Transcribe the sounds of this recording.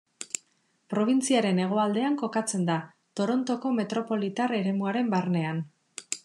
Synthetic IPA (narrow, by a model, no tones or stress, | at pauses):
pɾo̞β̞int͡siaɾe̞ne̞ɣ̞o̞ald̪e̞aŋko̞kat͡se̞nd̪a | t̪o̞ɾo̞nt̪o̞ko̞me̞t̪ɾo̞po̞lit̪are̞ɾe̞muaɾe̞mbarne̞an